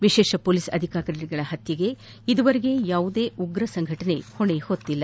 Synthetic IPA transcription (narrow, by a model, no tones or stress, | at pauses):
ʋiʃeːʃɐpoːlisɐd̪ʱikaːkɐɾɐɾiɡɐɭɐhɐt̪jɐɡe̞ | id̪uʋɐɾeɡe̞jaːʋud̪e̞ːʔuɡɾɐsɐŋɡʱɐʈɐne̞̰hoɳehot̪ːilːɐ